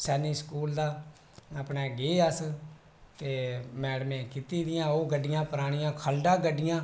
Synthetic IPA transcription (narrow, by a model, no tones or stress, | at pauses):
sɛːniːskuːld̪aː | əpɳeːɡeːəs | t̪eːmɛːɽmẽːkit̪iːd̪ɪjãːoːɡəɖːɪjãːpəɾaːɽ̃ɪjãːkʰəlɖãːɡəɖːɪjãː